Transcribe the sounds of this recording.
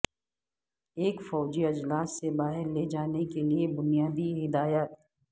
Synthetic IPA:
eːkfɔːd͡ʒiɐd͡ʒlaːsːebaːɦɪɾled͡ʒaːnekeliebʊnijaːd̪iɦɪd̪aːjat̪̚

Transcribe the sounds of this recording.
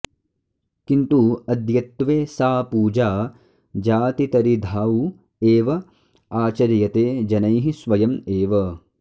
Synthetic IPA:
kint̪uɐd̪jɐt̪ːʋeːsaːpuːd͡ʒaː | d͡ʒaːt̪it̪ɐɾid̪ʱaːu | eːʋɐ | aːt͡ʃɐɾjɐt̪eːd͡ʒɐnɐjɦisʋɐjɐmeːʋɐ

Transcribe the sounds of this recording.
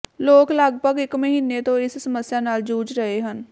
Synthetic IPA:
loːkləɡ̚bʱəɡɪkməɦiːnːet̪õɪssəməsjaːnaːld͡ʒuːd͡ʒɾəɦeɦən

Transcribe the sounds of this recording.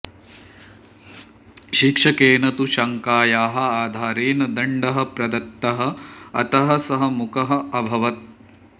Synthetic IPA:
ʃikʂɐkeːnɐt̪uʃɐŋkaːjaːɦɐ̆aːd̪ʱaːɾeːnɐd̪ɐɳɖɐɦɐ̆pɾɐd̪ɐt̪ːɐɦɐ̆ɐ̰t̪ɐɦɐ̆sɐɦɐ̆mukɐɦɐ̆ɐbʱɐʋɐt̪̚

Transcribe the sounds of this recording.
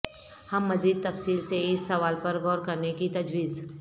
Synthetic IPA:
hɐmːɐziːd̪̚t̪ɐfsiːlseɪsːɐʋaːlpɐɾɡɔːɾkɐɾnekit̪ɐd͡ʒʋiːz

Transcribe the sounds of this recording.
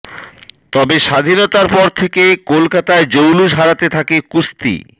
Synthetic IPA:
t̪ɔbeʃad̪ʱinot̪aɾpɔɾt̪ʰekekolkat̪aed͡ʑowluʃɦaɾat̪et̪ʰakekust̪ḭ

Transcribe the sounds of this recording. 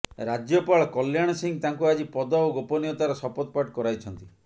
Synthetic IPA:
ɾad͡ʒjɔpaɭɔkɔljaɽ̃ɔsiŋt̪aŋkuad͡ʒipɔd̪ɔoɡopɔnijɔt̪aɾɔsɔpɔt̪̚paʈkɔɾajt͡ʃʰɔnt̪i

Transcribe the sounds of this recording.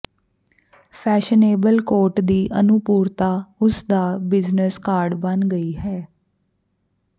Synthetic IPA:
pʰɛːʃəneːbəlkoːɾʈd̪iːʔənʊpuːɾt̪aːʊsd̪aːbɪznəskaːɾɖbənɡəiːɦɛː

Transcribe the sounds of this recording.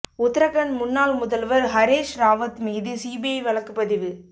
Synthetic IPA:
ʊt̪ːɪɾɐɣɐnmʊnːaːlmʊðɐlʋɐɾɦɐɾeːʂɾaːʋɐt̪miːðɯsiːbɪjɐɪʋɐɭɐkːɯpːɐðɪʋɯ

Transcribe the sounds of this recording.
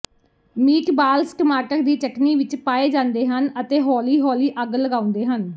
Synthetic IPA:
miːkbaːlskmaːʈəkd̪iːt͡ʃəkniːʋɪt͡ʃpaːeːd͡ʒãːnd̪eːɦənət̪eːɦɔːliːɦɔːliːʔəɡləɡaːʊ̃nd̪eːɦən

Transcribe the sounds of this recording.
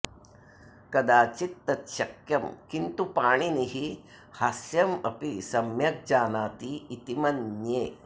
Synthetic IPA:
kɐd̪aːt͡ʃit̪ːɐt̪ʃɐkjɐmkint̪upaːɳiniɦi | hasjɐmɐpisɐmjɐk̚d͡ʒaːnaːt̪iːt̪imɐnːjeː

